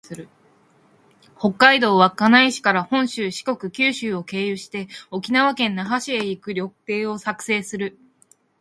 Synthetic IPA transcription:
ɨɾɯ̟ | ho̞kːaid̪o̞ːβakanaiɕi̥kaɾahõ̞ɰ̃ɕɨːɕi̥ko̞kɯ̟kʲɨːɕɨːo̞ke̞ːjɯɕi̥t̪e̞o̞kʲinaβakẽ̞nːaɦaɕieikɯ̟ɾʲo̞kpe̞ːo̞sakɯ̟̥se̞ːsɨɾɯ̟

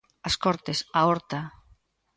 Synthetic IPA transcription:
ɐskɔɾt̪esaɔɾt̪a

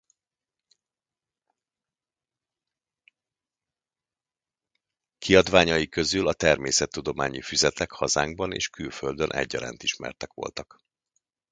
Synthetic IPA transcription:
kʰiɒd̪ʋaːɲɒjikøzylɒt̪ɛrmeːsɛt̪ːud̪o̞maːɲifyzɛt̪ɛkhɒzaːŋɡbɒnḛːʃkylføld̪ønʔɛ̰ɟːɒɾa̰ːnt̪iʃmɛ̰rt̪ɛkʋo̞̰lt̪ɒk

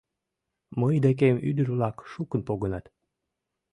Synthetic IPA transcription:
məjd̪ek̬emy̰d̪ərβlɑkʃukənpoɣənɑt̪

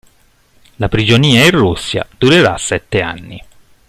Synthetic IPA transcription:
lapɾid͡ʒoniːairːusːja̰d̪̥uɾeɾa̰sːɛt̪ːea̰nːḭ

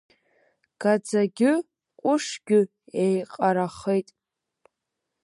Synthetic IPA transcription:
ɡ̥ad͡zaɡʲɪ | kʷʼʊʂɡʲɪ | ejqʼaɾaχejtʼ

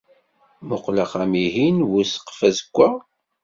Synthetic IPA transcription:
mʊqləχæmiɦinwusqfæzəkʷːa

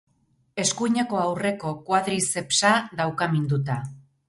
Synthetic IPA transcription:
e̞skuiɲe̞ko̞awre̞ko̞kwaðɾise̞psaðawkamind̪ut̪a

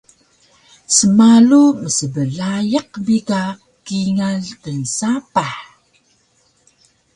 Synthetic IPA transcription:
səmaluməsəbəɮajəq̚bika | kiŋaɮkənsapaħ

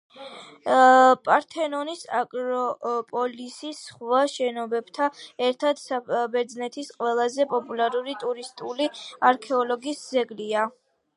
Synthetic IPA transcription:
pʼaɾt̪ʰɛnɔnisakʼɾɔpʼɔlisisχwaʃɛnɔbɛbt̪ʰaɛɾt̪ʰad̪̥sabɛɾd̪znɛt̪ʰisqʼwɛlˠazɛpʼɔpʼulaɾuɾit̪ʼuɾist̪ʼuliaɾkʰɛɔlɔɡisd̪zɛɡlia

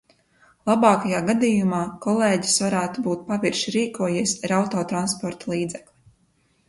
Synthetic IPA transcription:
lˠabɑːkajaːɡad̪iːjumaːkɔlˠeːɟi̥sʋaɾæːt̪ubuːt̪̚paviɾʃiɾiːkuɔjiɛsʲɾawt̪ɔːt̪ɾanspɔɾt̪alˠiːd̪zɛklʲˠi

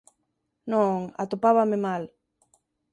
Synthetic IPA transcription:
nõŋa̰t̪opaβamɪmal

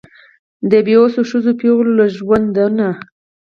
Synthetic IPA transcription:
d̪əbeosoʃəzopewllaʒwand̪ana

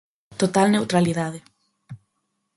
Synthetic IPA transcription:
t̪ot̪alnewt̪ɾaliðaðe

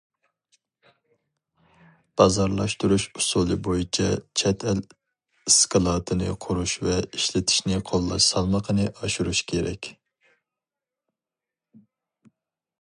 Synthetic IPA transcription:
b̥ɑzɑɾlˠɑʃt̪uɾuʃusulˠɨbojit͡ʃʰɑt͡ʃʰɛt̪ʰɛl | iskʰɑlˠɑːt̪ʰɨnɨ̰qʰʊɾuʃvɛiʃlɪt̪ʰi̥ʃnɪqʰolˠːɑʃsɑlˠmɑqʰənɨʔɑʃuɾuʃkʲʰeɾɛ̰kʲ

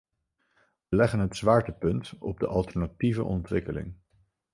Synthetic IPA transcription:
ʋəlɛχənɦətsʋaːɹtəpɵntɔ̰b̚dəʔɑlˠtɛɹnativə̰ʔɔntʋɪkəlɪ̰ŋ

